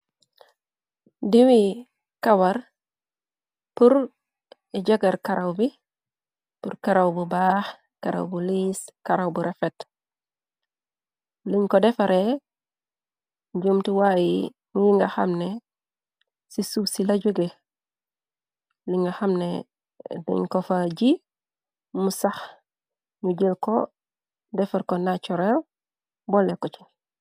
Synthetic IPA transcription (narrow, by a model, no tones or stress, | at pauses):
diwi | kawaɾ | puɾ | iɟaɡaɾkaɾawbi | puɾkaɾawbubaːx | kaɾa̰wbuliskaɾawbuɾefet | liŋkodefaɾe | ɟumtiwaji | ŋujiŋɡaxa̰mne | sisubsilaɟuɡe | liŋɡaxamnḛ | dḭɲkofaɟi | musax | ŋuɟilko̰ | defaɾkonat͡ʃuɾel | bolːekot͡ʃi̥